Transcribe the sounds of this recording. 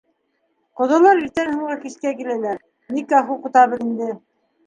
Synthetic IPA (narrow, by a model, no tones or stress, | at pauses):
qŏðɤ̆lˠɑɾiɾt̪ænhŭɴɢɑkiskækilælæɾ | nikɑχuqut̪ɑβɤɾind̪ɘ